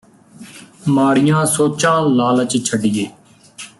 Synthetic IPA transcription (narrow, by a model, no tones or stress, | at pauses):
maːɽɪjãːsoːt͡ʃãːlaːlət͡ʃt͡ʃʰəɖɪjeː